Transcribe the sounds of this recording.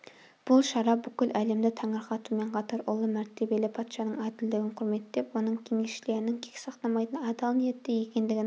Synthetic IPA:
b̥ulˠʃɑɾɑbykʲylʔæːlɪmd̪ɪt̪ʰæŋɨɾχɑt̪ʰumeɴqʰɑt̪ʰɑɾolˠːɨmæɾt̪ʰɪbelɪpʰɑt̪ʃɑnɨŋɑːd̪ɪld̪ɪɡʲɪnqʰʊɾmet̪ːd̪epunɨŋkʲʰeŋeʃʃleɾɪnɪŋkʲʰe̥kʲsɑχt̪ɑmɑjd̪ɨnɑd̪ɑlˠnɨjet̪ːɪjekʲenlɪɡʲɪ

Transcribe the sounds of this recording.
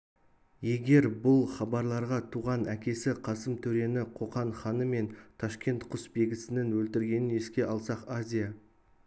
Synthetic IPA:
je̞ɡʲe̞ɾbʊlˠχɑbɑɾlˠɑɾʁɑt̪ʰuʁɑnækʲe̞sɪqʰɑsəmt̪ʰɵɾe̞nɪqʰo̞qɑɴχɑnəme̞nt̪ʰɑʃkʲe̞nt̪qʰʊsbe̞ɡʲɪsɪnɪnwɵlt̪ɪɾɡʲe̞nɪne̞skʲe̞ʔɑlˠsɑqazʲija

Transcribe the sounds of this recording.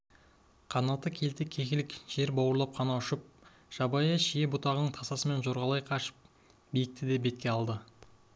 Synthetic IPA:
qʰɑnɑt̪ːəkʲʰe̞lt̪ɪkʲʰe̞kʲɪlɪkʒ̥e̞ɾbɑwəɾlˠɑp̚qʰɑnɑʊʃɪp̚ | ʒ̥ɑbɑjɑʃije̞bʊt̪ɑʁənəɴt̪ʰɑsɑsəme̞nʒoɾʁɑlˠɑjqʰɑʃə̥p̚ | bijɪk̚t̪ɪd̪e̞be̞t̪̚kʲe̞ɑlˠd̪ə

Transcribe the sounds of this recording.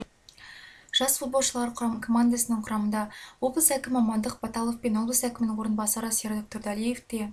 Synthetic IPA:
ʒ̥ɑsfut̪̚bo̞lˠʃəlˠɑɾəkʰo̞mand̪asənəɴqʰʊɾɑmənd̪ɑwoblˠəsækʲɪmmɑmɑnd̪əqbɑt̪ɑlˠofpe̞nwo̞lˠblˠəsækʲɪmɪnɪŋwo̞ɾənbɑsɑɾəseɾd̪ok̚t̪oɾd̪ɑlije̞fd̪e̞

